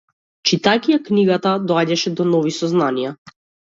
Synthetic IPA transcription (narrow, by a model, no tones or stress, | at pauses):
t͡ʃit̪akijakniɡat̪ad̪ɔaɟaʃɛd̪ɔnɔvisɔznanija